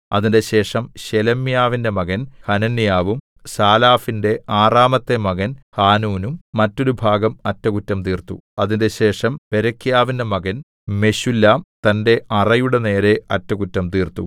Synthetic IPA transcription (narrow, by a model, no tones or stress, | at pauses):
ɐ̰ðinde̞ɕe̞ːʂɐmɕelɐmjaːʋinde̞mɐɣɐnhɐnɐnːijaːʋum | saːlaːfinde̞aːraːmɐt̪ːe̞mɐɣɐnhaːnuːnumːɐtːo̞ɾubʱaːɡɐmɐtːɐkutːɐmt̪iːrt̪ṵɐðinde̞ɕe̞ːʂɐmpe̞ɾɐkːjaːʋindemɐɣɐn | me̞ɕulːaːmt̪ɐnde̞ɐrɐjuɽe̞ne̞ːɾe̞ɐtːɐkutːɐmt̪iːrt̪u